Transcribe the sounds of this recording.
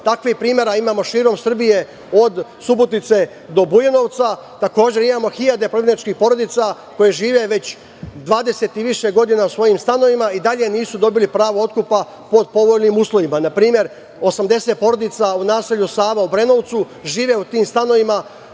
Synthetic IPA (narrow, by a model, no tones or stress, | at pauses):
t̪akʋihpɾiːmje̞ɾaimaːmo̞ʃiːɾo̞msr̩bije̞ | o̞d̪subot̪nit̪se̞ | d̪o̞bujeno̞ʋt̪sat̪ako̞ːd͡ʑe̞ɾimaːmo̞xiʎad̪epɾoɡʲenit͡ʃkixpo̞ɾo̞d̪it̪sa | ko̞jeʒiːʋe̞ʋe̞t͡ɕ | d̪ʋaːd̪e̞se̞t̪iʋiʃeɡo̞d̪inausʋo̞jimst̪ano̞ʋimaid̪aʎe̞niːsud̪o̞bilipɾaːʋoo̞t̪̚kupa | po̞d̪̚po̞ʋo̞lnimuːslˠo̞ʋimanapɾiːmje̞ɾ | o̞samd̪e̞set̪̚po̞ɾo̞d̪it̪saunaːse̞ʎusaːʋaubɾe̞no̞ʋt̪su | ʒiːʋe̞ut̪iːmst̪ano̞ʋima